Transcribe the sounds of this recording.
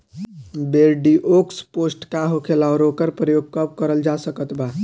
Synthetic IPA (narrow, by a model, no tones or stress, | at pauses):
beɾɖiʔoksposʈkaɦokʰelaɔɾokəɾpɾəjoɡ̚kəpkəɾəld͡ʒasəkət̪ba